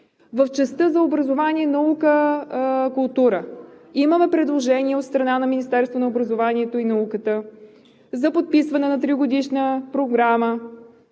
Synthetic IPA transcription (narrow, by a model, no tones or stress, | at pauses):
vəft͡ʃɛst̪əzɐobɾɐzovanʲiɛnɐukə | kʊlˠt̪uɾəiməmɛpɾɛd̪lˠoʒɛniɛot̪st̪ɾɐnanɐminist̪ɛɾst̪vonɐobɾɐzovaniɛt̪oinɐukət̪ə | zɐpot̪̚pisvɐnɛnɐt̪ɾiɡod̪iʃnəpɾoɡɾamə